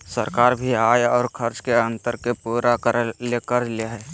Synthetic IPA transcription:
səɾkaːɾbʱiaːjɔːɾkʰəɾt͡ʃkeə̃nt̪əɾkepuːɾakəɾlekəɾleɦɛ

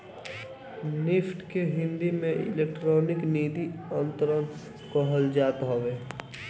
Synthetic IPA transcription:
nɪpʰʈkeɦɪ̃nd̪imẽɪ̰lekʈɾɔːnɪkniːd̪iənt̪əɾən | kɔɦəld͡ʒaːt̪ɦoʋeː

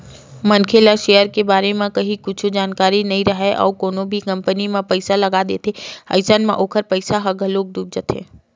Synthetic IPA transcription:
mɐnkʰeːlaʃeːjəɾkebaːɾemẽkɐɦĩkʊt͡ʃʰd͡ʒaːnkaːɾinɐɦĩɾɐɦɛʔɔ̰ːɾkoːnõbʱikɐ̃mpənimẽpɐɪsalɐɡad̪ḛːt̪ʰeɐ̰ɪsənmḛ̃ʔoːkʰəɾpɐɪsaɦɐɡʱəloːɡ̚d̪uːb̚d͡ʒət̪ʰḛː

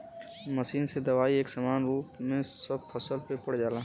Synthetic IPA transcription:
məʃiːnsed̪ɐʋaːieːksɐmaːnɾuːpmẽssɐbpʰɐsəlpepəɽd͡ʒaːlaː

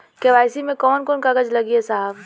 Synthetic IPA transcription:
keʋaːɪsimẽkɔːnkɔːnkɐɡəd͡ʒlɐɡiesaːb

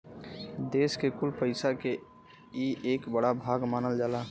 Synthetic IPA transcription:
d̪eːskekʊlpəɪsake | ieːkbəɽabʱaːɡmaːnəld͡ʒaːlaː

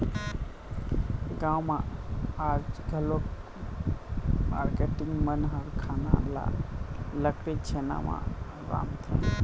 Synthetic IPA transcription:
ɡãwmãad͡ʒɡʱəlok | maɾkeʈiŋɡmənɦɔɾkʰana̰la̰ləkɾet͡ʃʰena̰mã̰ | ɾa̰mt̪ʰi

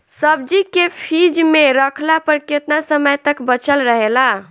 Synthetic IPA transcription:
səb̚d͡ʒikepʰid͡ʒmeɾəkʰlapəɾket̪nasəməjt̪əkbət͡ʃəlɾəɦela

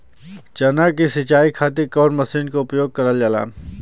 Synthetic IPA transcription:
t͡ʃɐnakisɪt͡ʃaːikʰaːt̪ikɔːɾmɐsiːnkoʊpjoːɡ̚kɐɾəljala̰ːn

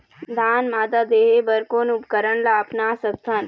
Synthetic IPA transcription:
d̪ʱaːnmaːd̪ad̪eːɦebəɾkoːnupkəɾəɳlapnaːsət̪ʰːən

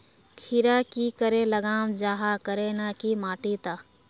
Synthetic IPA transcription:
kʰiɾakikəɾeləɡaːmd͡ʒaːɦakəɾenakimaːʈit̪aː

